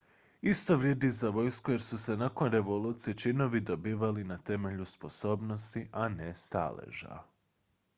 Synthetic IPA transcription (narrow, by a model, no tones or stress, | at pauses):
ist̪o̞ʋɾje̞ːd̪izaʋo̞jskoje̞ɾsuse̞nako̞nɾe̞ʋo̞luːt̪siet͡ʃino̞ʋid̪o̞biːʋalinat̪e̞me̞ʎuspo̞so̞ːbno̞st̪iʔanest̪a̰lḛʒa̰